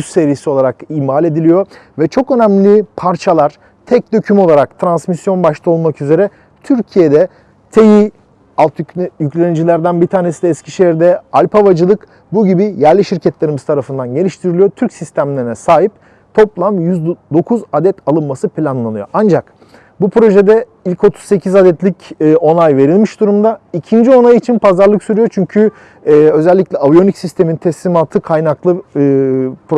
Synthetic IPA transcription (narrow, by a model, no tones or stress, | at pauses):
ysse̞ɾijisio̞lˠaɾakiːmaːlʲe̞d̪ilʲijo̞vɛt͡ʃʰo̞kø̞næmlʲipʰaɾt͡ʃʰalˠaɾ̥ | t̪ʰɛc̚d̪ø̞cʰymo̞lˠaɾakt̪ʰɾansmisjo̞nbaʃlˠao̞lˠmakyze̞ɾɛ | t̪ʰyɾcʰije̞d̪ɛ | t̪ʰeji | alˠt̪jyclʲenid͡ʒilʲæɾd̪ænbit̪ʰaːne̞sid̪ɛːscʰiʃeiɾd̪ɛalʲpʰavad͡ʒɯlˠɯk | buɟibijæɾlʲiʃiɾcʰɛt̪lʲeɾimiz̥t̪ʰaɾafɯnd̪anɟe̞nʲiʃt̪ʰiɾilʲijot̪ʰyɾcsist̪ʰæmlʲeɾinɛsaːɦip̚ | t̪ʰo̞plˠamjyzd̪o̞kʰuzad̪ɛt̪ʰalˠɯnmasɯpʰlʲanlˠanɯjo̞̰ʔand͡ʒak | bupʰɾo̞ʒe̞d̪ɛ | ilʲcʰo̞t̪ʰu̥z̥se̞cʰizad̪ɛt̪lʲicːo̞nˠajve̞ɾilʲmiʃd̪uɾumd̪aicʰind͡ʒio̞najit͡ʃʰinpʰazaɾlˠɯksyɾyjo̞t͡ʃʰyɲcʰyː | ø̞zɛlʲːicʲlʲɛavjo̞nicsist̪ʰe̞mint̪ʰɛslʲimat̪ʰɯkʰajnaklˠɯ | pɾo